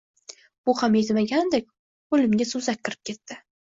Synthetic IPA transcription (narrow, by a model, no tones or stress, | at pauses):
b̥ʊhamjet̪maɡʲand̪ek̚ʲ | olɪmɡʲasʊzakʲqɨɾɪ̥p̚kʲʰe̞t̪ːɪ